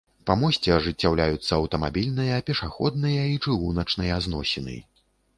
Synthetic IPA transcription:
pamɔsʲt͡sʲɛɐʐɨt͡sʲːawlʲajut̪sːɐɐwt̪ɐmabʲilʲnɨjɐːpʲɛʂaxɔ̰d̪̚nɨjɐit͡ʂɨɣunɐt͡ʂnɨjɐaznɔsʲɛnɨ̰jɐ̰

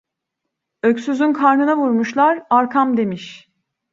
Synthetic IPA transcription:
øcsyzynkʰaɾnɯnavuɾmuʃlˠaɾaɾkʰamd̪e̞miʃ

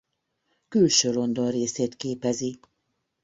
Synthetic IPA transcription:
kylʃøːlo̞nd̪o̞nreːseːt̪keːpɛzi

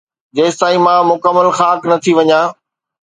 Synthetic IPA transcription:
d͡ʑeːst̪ãːĩmãmʊkəmːəlxaːknɐt̪ʰiʋɐɲãː

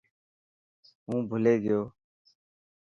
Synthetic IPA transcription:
ɦũːbʱʊleːɡɪjoː

